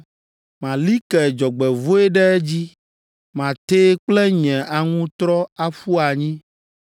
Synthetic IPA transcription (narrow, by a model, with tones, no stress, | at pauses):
mã˨li˦kɛ˨d͡ʒɔ˨ɡ͡bɛ˨vo˦ɛ˦ɖɛ˦d͡ʑi˦ | mã˨t̪eː˦k͡plɛ˦ɲɛ̃˨ʔa˨ŋũ˦t̪ɾɔ˦a˦fu˦a˨ɲĩ˦